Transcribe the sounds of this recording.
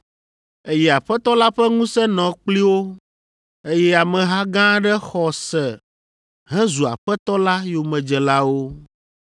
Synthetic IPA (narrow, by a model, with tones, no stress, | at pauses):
e˦jɛ˦a˨ɸɛ˦t̪ɔ˦la˦ɸɛ˦ŋũ˦sɛ˦nɔ̃˨k͡pli˦wo˦ | e˦jɛ˦a˨mɛ̃˨ɦa˦ɡã˦ɖɛ˦xɔ˨sɛ˨ | ɦɛ̃˦zu˨a̰˨ɸɛ˦t̪ɔ˦la˦jo˨mɛ̃˨d͡ʒɛ˨la˦wo˦